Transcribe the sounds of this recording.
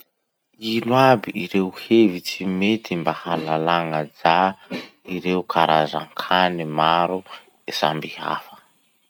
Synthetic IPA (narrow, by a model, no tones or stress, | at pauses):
ilwabiʔiɾeuhevit͡simet̪ʰimbahalalaŋad͡za | iɾeukʰaɾaza̰ŋkʰanimaɾu | esa̰mbiɦa̰fḁ